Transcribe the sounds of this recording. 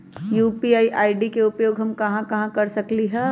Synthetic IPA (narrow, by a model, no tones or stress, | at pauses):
juːpiaːiʔaːiɖikeʊpjoːɡɦɐmkɐɦãkɐɦãkɐɾsɐkliɦɛː